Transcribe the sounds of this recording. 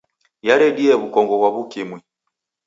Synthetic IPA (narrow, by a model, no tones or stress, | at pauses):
jaɾɛɗiɛβukɔŋɡɔɣwaβukimwi